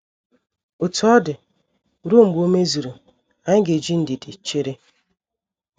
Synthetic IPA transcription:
ʊ˨tːdɪ˨ | ɾu˦˨m̩˨bo˦me˦zi˨ɾu˨ | a˨ɲɪ˦ɡe˨d͡ʒi˦n̩˨dɪ˨dɪ˨t͡ʃe˦ɾe˦

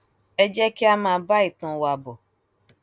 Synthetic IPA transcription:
ɛ˦d͡ʒɛ˦ki˦a˦mãː˧˦ba˦i˦˨tɔ̃˧˦wa˧bɔ˨

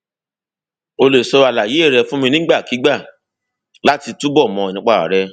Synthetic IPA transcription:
o˧le˨sɔ˧ɾa˨la˨je˨˦˨ɾɛ˧fũ˦mĩ˧nĩ˦ɡ͡ba˦˨ki˨˦ɡ͡ba˦˨ | la˦ti˧tu˦bɔ˦˨mɔ̃˨˧˨nĩ˦k͡pa˦˨a̰˨ɾɛ˦

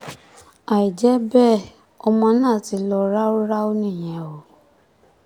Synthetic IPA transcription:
a˨i˨d͡ʒɛ˨˦bɛ˦˨ | ɔ˧mã˧˦nã˦˨ti˧lɔ˧ɾa˦o˦ɾa˦o˦nĩ˦˨j̃ɛ̃˨o˨

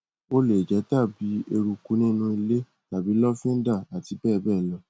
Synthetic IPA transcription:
o˦le˨d͡ʒɛ˨˦ta˦˨bi˨˦e˧ɾu˧ku˨˧˦nĩ˦nũ˧˦i˧le˦ | la˨bi˨˦lɔ˦fĩ˦n̩˦da˦˨a˨ti˧bɛː˦˨bɛː˦˨lɔ˧

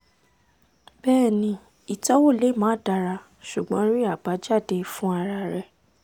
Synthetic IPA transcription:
b̥ɛː˦˨nĩ˧ | i˨tɔ˨˦wo˦˨le˨˦mãː˨˦da˧˨ɾa˧ | ʃu˨ɡ͡bɔ̃˨˦ɾi˦a˦˨ba˨˦d͡ʒa˦˨de˨˧fũ˦a˧ɾa˧ɾɛ˧˨

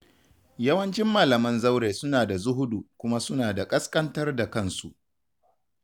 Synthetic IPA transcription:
jɐ˦wɐ˦nt͡ʃɪ˦mːaː˨lɐ˨mɐ˦nza˦wɽeː˨sʊ˦naː˨da˨zʊ˦ɦʊ˦du˨kʷʊ˦ma˦sʊ˦naː˨da˨kʼɐ˦skʼɐ˦ntɐ˦rda˨kɐ˦nsu˨ʔ

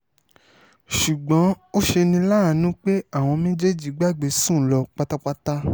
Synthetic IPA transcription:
ʃu˨ɡ͡bɔ̃˨˦ | o˦ʃe˧nĩ˧la˦˨˦nũ˦k͡pe˦a˦˨w̃ɔ̃˧mẽ˦d͡ʒe˦˨d͡ʒi˨˦ɡ͡ba˦˨ɡ͡be˨˦sũ˦˨lɔ˧k͡pa˦˧ta˦k͡pa˦ta˦

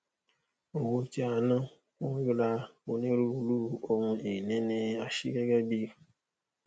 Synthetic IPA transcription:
o˨wo˧ti˦a˨nã˦ | kɔ̃˦ju˦la˧o˧nẽ˦ɾu˦lu˦o˧wũ˧e˨nɛ̃˦nẽ˧a˨ʃḭ˦ɡɛ˦ɡɛ˦bi˧

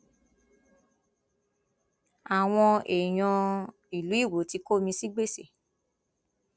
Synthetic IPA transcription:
a˨w̃ɔ̃˧e˨j̃ɔ̃˧ | i˨lu˨˦i˦˨wo˨˦ti˧ko˦mĩ˧si˦ɡ͡be˦˨se˨

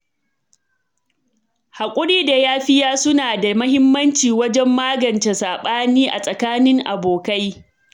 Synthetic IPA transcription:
ha˨kʷʼʊ˦ɽiː˦da˨jaː˦ɸɪ˦jaː˦sʊ˦naː˨da˨mɐ˦hɪ˦mːɐ˦nt͡ʃiː˨wɐ˦d͡ʒɛ˦mːaː˦ɡɐ˨nt͡ʃe˨saː˨ɓaː˦niː˦ʔa˨sʼɐ˨kaː˦nɪ˦ŋʔa˨boː˨ka˦j

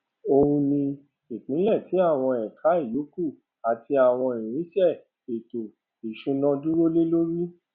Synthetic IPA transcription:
o˧ũ˧nĩ˧ | i˨k͡pĩ˨˦lɛ˦˨ti˨˦a˦˨w̃ɔ̃˧ɛ˨kʰa˨˦i˦˨jo˨˦ku˦˨ | a˨ti˧a˨w̃ɔ̃˧i˨ɾ̃ĩ˨˦ʃɛ˦˨ | e˨to˨ | i˨ʃũ˨˦nɔ̃˧du˦ɾo˦le˦lo˦ɾi˦

